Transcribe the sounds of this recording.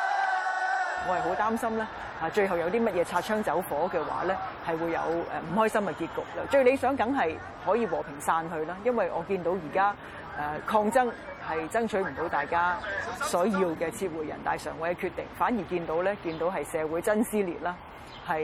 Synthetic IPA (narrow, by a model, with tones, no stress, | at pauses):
ŋɔː˨˧hɐ˨˩jɦo˨˧˥wt̪aː˥msɐ˥mlɛː˥ | aː˨˧t͡ʃɵ˧ɥɦɐ˨wjɐ˨˧wt̪iː˥mɐ˥t̚jɛː˨˧t͡sʰaː˧t̚t͡ʃʰœː˥ŋt͡sɐ˨˥wfɔː˨˥kɛː˧wa̰ː˨˥lɛː˥hɐ˨jwuː˨˧jːɐ̰˨˧wɛ̰˨˧m̩˨˩ɦɔː˥jsɐ˥mkɛ˧kiː˧t̚kʊ˨k̚lɐː˧t͡ʃɵ˧˥ɥle˨˧jsœː˨˥ŋkɐ˨˥ŋɦɐ˨j | hɔː˨˥jiː˨˧wɔː˨˩pʰɪ˨˩ŋsaː˧nɦɵ˧ɥlaː˥jɐ˥nwɐ˨jʔɔː˨˧kiː˧nt̪o˨˧˥wjiː˨˩kaː˥ | ʔɛː˨˧kʰɔː˧ŋt͡sɐ˥ŋ | hɐ˨jt͡sɐ˥ŋt͡ʃʰɵ˨˥ɥm̩˨˩t̪o˨˥wt̪aː˨jkaː˥sɔː˨˥jiː˧wkɛː˧t͡sʰiː˧t̚wuː˨˩jːɐ̰˨˩nt̪a̰ː˨˩jsœː˨˩ŋwɔː˨˥jɐ˨˧kʰyː˧t̪ːɪ˨˩ŋfaː˨˥nji˨˩kiː˧nt̪o˨˥wlɛː˥kiː˧nt̪o˨˥wɦɐ˨jsɛː˨˧wuː˨˥jt͡sɐ˥nsiː˥lḭː˨˩t̚laː˥ | hɐ˨